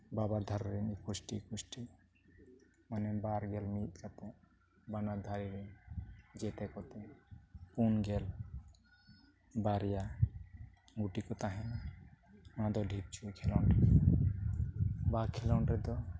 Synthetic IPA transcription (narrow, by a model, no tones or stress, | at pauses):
babaɾd̪ʱaɾɔɾinikusʈikusʈi | manɛbaɾɡɛlmit̪̚kat̪ɛ | banad̪ʱaɾiɾind͡ʒɛt̪ɛkɔt̪ɛpunɡɛl | baɾija | ɡuʈikɔt̪aɦɛn | ãd̪ɔɖʱib̚t͡ʃʰukʰɛlɔɳɖɛ | bakʰɛlɔɳʈɛd̪ɔ